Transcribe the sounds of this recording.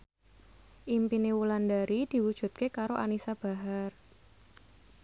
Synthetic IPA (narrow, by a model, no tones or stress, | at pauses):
ʔimpinewulandaɾid̪̥i̤wud̥ʒ̥ṳt̪̚kekaɾoʔanisab̥a̤ɦar